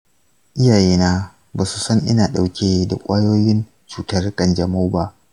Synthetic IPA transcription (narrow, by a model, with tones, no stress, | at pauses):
ʔɪ˦jaː˨jeː˦naː˦ | baː˨su˨sɐ˦ŋʔɪ̰˦naː˨ɗa˨wkʲeː˦da̰˨kʷʼaː˦joː˦jɪ˦n | t͡ʃuː˨tɐ˦rkʼɐ˨nd͡ʒɐ˨mo˦ba˦ʔ